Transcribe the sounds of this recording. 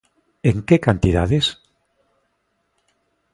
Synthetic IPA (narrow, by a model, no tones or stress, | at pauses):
eŋkekant̪ið̞a̰ðes